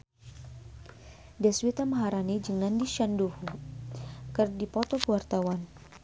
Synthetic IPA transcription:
dɛswit̪aməɦaɾanid͡ʒəŋnandiʃanduhu | kɨrdipɔt̪ɔkəwart̪awan

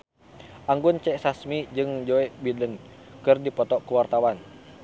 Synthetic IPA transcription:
ʔaŋɡunt͡ʃɛʔsasmid͡ʒɨŋd͡ʒɔɛʔbidənkɨrdipɔt̪ɔkəwart̪awan

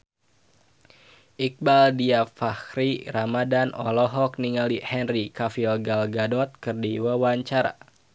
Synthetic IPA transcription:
ʔik̚baldiafaxɾiramadanɔ̰lɔɦɔk̚niŋalihɛnrikafilɡalɡadɔt̪̚kɨrdiwawaɲt͡ʃaɾa̰

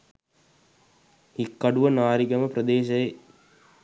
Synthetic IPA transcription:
hikːɐɖuʋənaːɾiɡɐməprəd̪eːʃɐje

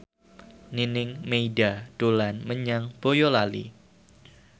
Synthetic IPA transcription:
ninɪŋmeidad̥olanməɲaŋb̥ojolalḭ

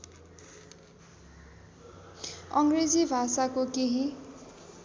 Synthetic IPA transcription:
ʌŋɡred͡zibʱasakokeɦi

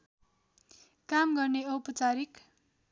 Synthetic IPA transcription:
kamɡʌrneʌwpʌt͡saɾik

